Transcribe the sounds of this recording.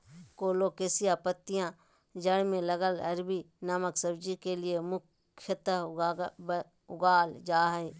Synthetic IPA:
koːlokeːsijapət̪ːɪjã | d͡ʒəɽmẽləɡəlɐɾbi | naməksəbd͡ʒikeliemʊkʰː | jət̪ə | ʊɡaːld͡ʒaːɦɛe

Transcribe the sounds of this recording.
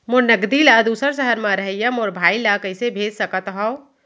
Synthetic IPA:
monəɡd̪ilaːd̪uːsəɾsəɦəɾmãɾɐɦəjamoːɾbʱaːilakəɪsebʱeːd͡ʒsɐkət̪ɦɔo

